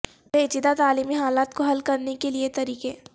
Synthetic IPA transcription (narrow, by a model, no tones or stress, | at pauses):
beːt͡ʃɪd̪at̪aːliːmiɦaːlaːt̪koɦɐlkɐɾnekeliet̪ɐɾiːkeː